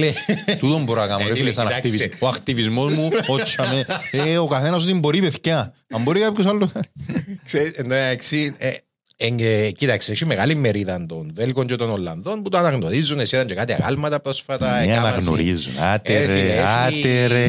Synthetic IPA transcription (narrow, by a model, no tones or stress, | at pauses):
let̪ut̪ombuɾɐkɐmoɾelesɐnakt̪iizoɐkt̪ivizmozmuot͡ʃːɐmeeokɐθenɐs̬ut̪imboɾipeθcɐɐmbo̞ɾikapços̬alːuɐkseɾisend̪oksi | eŋecit̪ɐkseʃimeɣalimːeɾiðɐnd̪onvelkoɲd͡ʒet̪onolːɐ̰nðo̞nput̪oɐnɐɣno̞ɾizːunesiðɐɲt͡ʃekat̪iɐ̰ɣa̰lmɐt̪ɐpɾo̞sfɐt̪ɐeianaɣno̰ɾizṵnat̪eɾiat̪eɾe